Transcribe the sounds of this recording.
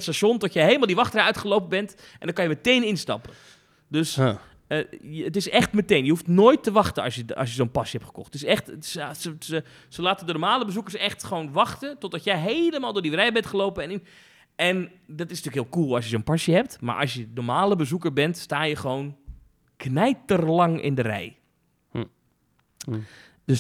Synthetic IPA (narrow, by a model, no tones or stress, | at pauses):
tstaʃontɔtjɛjɦeːləmalˠdiʋɑxtəraœɥtχəlowpəbɛnt | ʔɛndɔkɑnjəmətejnɪnstɑ̰pə | døs | əətɪsɛxtmətejnjəɦuftnoːjtːəʋɑxtənɑsjəɑ̰s̬jəzoːnpɑsjəɛptχə̥kɔ̰xtɪsɛxtssəsə | səlaːtədənormaːləbəzukərsɛxtχəʋoːnʋɑxtətɔt̚dɔtjɛjɦeləmaːlˠdʊːdirɛjbɛntχəloːpəɛn | ʔɛndɔtɪsnətyːəkɦiːlˠkuːlˠɔsjəzoːnpasjəɦɛp̚tma̰ɹʔɑ̰sjənomaːləbəzukərbɛntstaːjəxəʋoːn | knɛjtərlɑŋɪ̰ndərɛ̰j | døs